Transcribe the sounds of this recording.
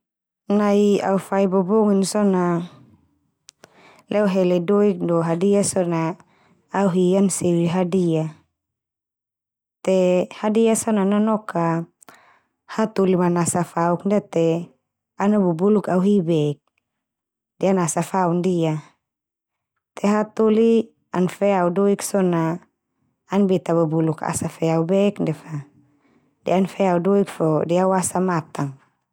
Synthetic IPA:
naia̰ufaibɔbɔŋinsɔna | lɛɔɦɛlɛdɔik̚dɔɦadiasɔnaː | uɦiansiwiɦadia | t̪ɛhadiasɔnanɔnɔka | hat̪ulimanasafauk̚ndiat̪ɛ | anabubulukauɦibɛk̚ | dɛanasafaundia | t̪ʰɛɦat̪uli | anfɛaudɔiksɔnaː | nbɛt̪abubuluka̰safɛaubɛkndɛfa | dɛanfɛaudɔik̚fɔdɛawasamat̪aŋ

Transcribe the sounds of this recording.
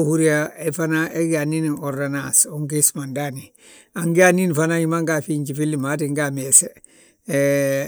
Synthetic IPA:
huɾiaefanaeɡaninioɾdanasomkismandani | aŋɡianinfanaɲimaŋɡafiɲd͡ʒifilːimatiŋɡamese

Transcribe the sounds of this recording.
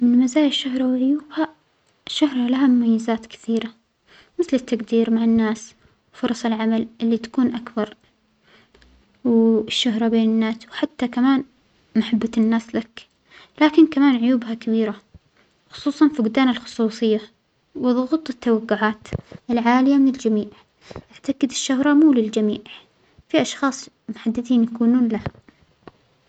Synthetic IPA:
mɪnmazaːjɪʃːahɾˤɑwɪʕʊjuːbha | ʃːʊhɾˤɑlaɦamʊmajːɪzaːt̪kɪ̥θiːɾa | mɪθlɪt̪ːaɡd̪iːɾmaʕanːaːs | wfʊɾˤɑsˤɪlʕamalʔɪlːit̪ḁkuːnʔakbɑɾˤ | wʃːaɦɾˤɑbeːnɪnːaːswħat̪ːakamaːn | maħabːaɪnːaːslak | laːkɪnkamaːnʕʊjuːbɦakabiːɾa | xʊ̥sˤuːsˤɑnfiɡʊd̪aːnalxʊ̥sˤuːsˤɨjːa | wɨðˤʊɣuːt̪ˤɨt̪ːawaɡːʊʕaːt̪ɪlʕaːlɪjamɪnɪld͡ʒamiːʕ | ʔaʕt̪aɡɪd̪ɪʃːʊɦɾˤɑmuːlɪld͡ʒamiːʕʕ | fiʔɑʃxɑːsˤ | mʊħad̪ːɪd̪iːnjakuːnuːnlaha

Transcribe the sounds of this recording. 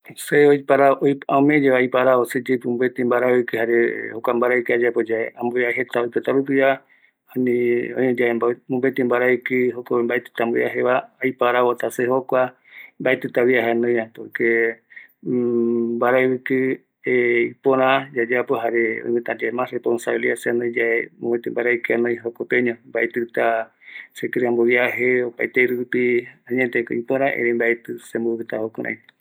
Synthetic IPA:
seoipaɾaʔojaumed͡ʒeβajpaɾaβosed͡ʒepumbet̪imbaɾaβɨkɨhaɾehokʷambaɾakɨad͡ʒapod͡ʒaãmboeaɦet̪aojkot̪apɨp̬ia | anĩõed͡ʒaebamũmbet̪imbaɾaɨkɨɦokoembaet̪ɨ̥t̪amboea̰ɦeβaːjpaɾaβot̪asehokʷa | mbaet̪ɨt̪aβiaɦaenõj̃ãt̪oke | baɾajβɨkɨ | eipoɾãd͡ʒad͡ʒapoɦaɾeo̰ĩmɨ̃t̪ad͡ʒamaresponsaβiliaseanõid͡ʒaemõwet̪embaɾajkɨanõj̃ɦokopeɲõmbaet̪ɨt̪a | sekeɾeambojaɦeopaet̪eɾupiaɲet̪eko̰ipoɾ̃ãʔḛɾembaet̪ɨsemboɨt̪ahokuɾʔã̰j

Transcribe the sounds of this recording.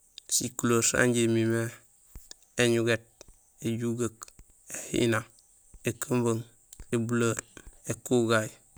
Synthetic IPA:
sikuloɾsa̰ɲɟemime | eɲuɡet̚ | eɟuɡək | ehḭna | ekəmbəŋ | ebuloɾekuɡaj

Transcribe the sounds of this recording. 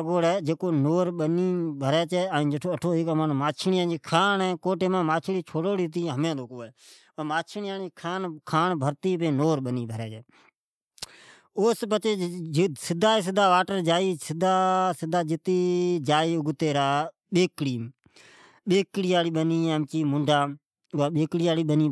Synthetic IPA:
ɡoːɽɛːd͡ʒeːkoːnoːɾɓəniːbʱəɾɛːt͡ʃɛːəĩːd͡ʒeʈʰoːəʈʰoːɪkmənmaːt͡ʃʰɳɪjãːd͡ʒiːkʰaːnɛ̃ːkoːʈeːmãːmaːt͡ʃʰɽiːt͡ʃʰoːɽoːɽiːt̪iːɦəmjãːd̪ʱoːkoːɛː | əːmaːt͡ʃʰniaːniːkʰaːnkʰaːɳbʱəɾt̪iːpẽːnoːɾɓəniːbʱəɾɛːt͡ʃɛː | oːspət͡ʃeːsɪd̪ʱaːs̬ɪd̪ʱaːʋaːʈəɾd͡ʒaːiːsɪd̪ʱaːsɪd̪ʱaːd͡ʒɪt̪iːd͡ʒaːiːʊɡt̪eːɾaː | ɓeːkɽiː | ɓeːkɽiːaːɽiːɓəniːəmt͡ʃiːmʊɳɖʱaː | ʊaːɓeːkɽiːaːɽiːɓəniː

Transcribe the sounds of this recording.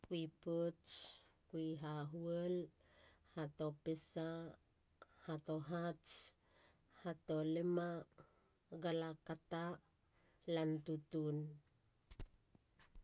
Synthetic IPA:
kuipot͡ʃkuiɦaɦuel | hatopesa | hatoɦat͡ʃ | hatolema | ɡalakata | lantutun

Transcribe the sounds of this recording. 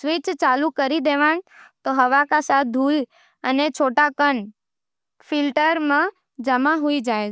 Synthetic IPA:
sʋɪt͡ʃt͡ʃalukəɾid̪eʋaɳt̪oɦəʋakasad̪ʱul | ənet͡ʃʰoʈakən | fɪlʈəɾmã | d͡ʒəmaɦuid͡ʒae

